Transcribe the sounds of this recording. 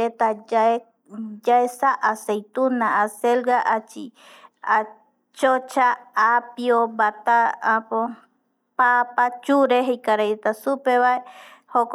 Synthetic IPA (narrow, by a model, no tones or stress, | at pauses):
et̪aae | d͡ʒaesaʔasejt̪unãːselɡaʔat͡ʃḭ | a | t͡ʃot͡ʃaːpiobat̪aːpo | papat͡ʃuɾeɦejkaɾajet̪asupeβaehok